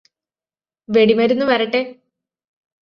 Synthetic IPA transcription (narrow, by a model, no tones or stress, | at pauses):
ʋeɽimɐɾunːuʋɐɾɐʈːe